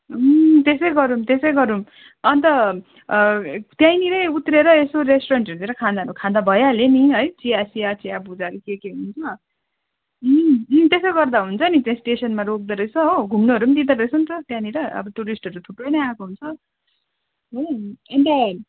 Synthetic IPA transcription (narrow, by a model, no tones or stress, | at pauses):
t̪esʌjɡʌɾumt̪esʌjɡʌɾum | ʌnt̪ʌ | t̪jajniɾʌjut̪ɾeɾʌesoɾesʈoɾʌnʈʌɾud̪eɾʌkʰãd̪aɾukʰãd̪abʱʌjaleniɦʌjt͡siasiat͡siabud͡zaɾikekeɦunt͡sʰʌ | t̪esʌjɡʌrd̪aɦunt͡sʰʌnit͡stjãsʈesʌnmaɾok̚d̪ʌɾʌjt͡sʰʌoɡʱumnoɦʌɾumad̪id̪aɾʌjt͡sʰʌnt̪ʌt̪jãniɾʌʌ̰bʌʈuɾisʈʌɾut̪ʰuprʌjnʌjakoɦunt͡sʰʌ | ɦoent̪a